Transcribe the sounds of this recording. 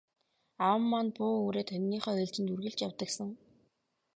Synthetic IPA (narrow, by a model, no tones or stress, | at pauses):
awə̆mːanpʊːɾeːt̪ʰœnʲːiːχœːœːɮt͡ɕɪ̆nt̪urɣɘ̆ɮt͡ɕjawt̪ə̆ksə̆ŋ